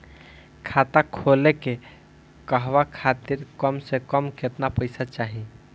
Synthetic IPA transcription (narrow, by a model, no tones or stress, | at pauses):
kʰat̪akʰoleke | kəɦʋakʰat̪iɾkəmsekəmket̪napəɪsat͡ʃaɦi